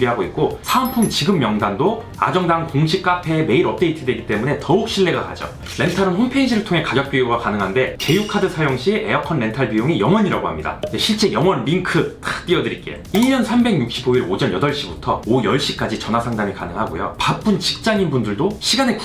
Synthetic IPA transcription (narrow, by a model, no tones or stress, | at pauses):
ɾiɦaɡoit̚k͈osʰaɯmpʰumt͡ɕiɡɯmːjʌŋdando | a̰d͡ʑʌŋdaŋkoŋɕʰik̚k͈apʰe̞me̞iɾʌp̚t͈e̞itʰɯdwe̞ɡit͈e̞mune̞tʌuk̚ɕ͈ʰiɭːe̞ɡaka̰d͡ʑʌ̰ | me̞ntʰaɾɯnɸonpʰeid͡ʑiɾɯɭtʰoŋe̞kaɡjʌk̚p͈jijoɡakanɯŋɦande̞ke̞jukʰadɯsʰajoŋɕʰie̞jʌkʰʌnːe̞ntʰaɭbijoŋijʌŋwʌɲiɾaɡohamɲida̰d͡ʑeɕʰiɭt͡ɕ͈e̞jʌŋʌnɾiŋkʰɯt͈at͈iʌdɯɾik͈e̞joiɲʌnsʰambe̞ɡɲuk̚ɕ͈iboiɾod͡ʑʌnjʌdʌɭɕ͈ibutʰʌojʌɭɕ͈ik͈ad͡ʑit͡ɕʌnɦasʰaŋdamikanɯŋɦaɡo̰jo̰pap͈unt͡ɕi̥k̚t͡ɕ͈aŋinbundɯɭdoɕʰiɡane̞k